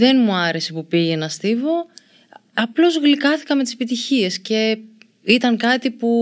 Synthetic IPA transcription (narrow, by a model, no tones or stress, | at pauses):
ðe̞nmuɐɾe̞sepupiʝe̞nɐst̪ivo̞ | ɐplo̞zɣlikɐθi̥kɐme̞t̪ise̞pit̪içie̞sce̞ | it̪ɐŋkɐt̪ipu